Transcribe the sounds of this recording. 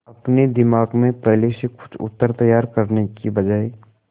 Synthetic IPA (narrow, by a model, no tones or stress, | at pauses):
ɐpned̪ɪmaːɡmẽpɛɦlesekʊ̥t͡ʃʰʊ̰t̪ːəɾt̪ɐjaːɾkɐɾnekibɐd͡ʒaːeː